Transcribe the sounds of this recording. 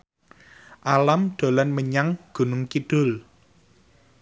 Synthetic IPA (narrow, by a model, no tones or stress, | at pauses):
ʔalamɖ̪̥o̤lanməɲaŋɡ̥ṳnʊŋkiɖ̥ʊ̤l